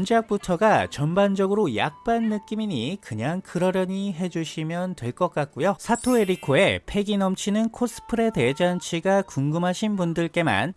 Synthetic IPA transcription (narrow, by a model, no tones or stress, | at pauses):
nd͡ʑeak̚p͈utʰʌɡat͡ɕʌnband͡ʑʌɡɯɾoja̰k̚p͈anːɯk͈imiɲikɯɲaŋkɯɾʌɾjʌɲiɦe̞d͡ʑuɕʰimjʌntwe̞ɭk͈ʌk͈ak̚k͈ujosʰatʰoe̞ɾikʰoe̞pʰe̞ɡinʌmt͡ɕʰinɯnkʰos͈ʰɯ̥pʰɯɾe̞de̞d͡ʑant͡ɕʰiɡakuŋɡɯmɦaɕʰinbundɯɭk͈e̞ma̰n